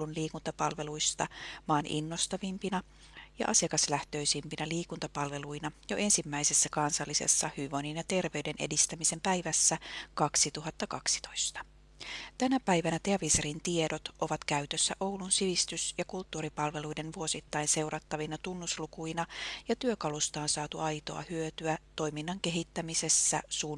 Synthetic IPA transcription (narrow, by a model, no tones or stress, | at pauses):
lunliːkunt̪ɑpɑlʋe̞lujst̪ɑ̰mɑːnʔḭnːo̞st̪ɑʋimpinɑ | jɑ̰ʔɑsijɑkɑslæht̪ø̞ijsimpinæliːkunt̪ɑpɑlʋe̞lujnɑjo̞̰ʔe̞nsimːæise̞sːækɑnsɑlːisḛsːɑhyʋo̞ninjɑt̪e̞rʋe̞yde̞nʔe̞dist̪æmise̞mpæjʋæsːækɑksit̪uɦɑt̪ːɑkɑksi̥t̪o̞̥jst̪ɑ̥ | t̪ænæpæjʋænæt̪e̞ɑʋiseɾint̪ie̞do̞t̪ʔo̞ʋɑt̪kæyt̪øsːæʔowlunsiʋist̪ysjɑkult̪ːuːɾipɑlʋe̞luide̞nʋuo̞sit̪ːɑinse̞wrɑt̪ːɑʋinɑt̪unːuslukujnɑjɑt̪yøkɑlust̪ɑːnsɑːt̪uɑjt̪o̞̰ɑ̰hyøt̪yæt̪o̞jminːɑŋke̞ɦit̪ːæmise̞sːæ̰suː